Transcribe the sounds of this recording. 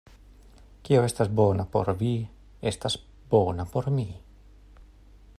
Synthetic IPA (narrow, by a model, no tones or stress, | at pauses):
kioest̪azbonapo̰ɾβi | est̪as | bonapoɾmi